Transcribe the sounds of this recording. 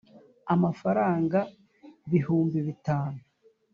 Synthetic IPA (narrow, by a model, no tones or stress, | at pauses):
amafaɾaːŋɡa | βiɦuːmbiβitaːnu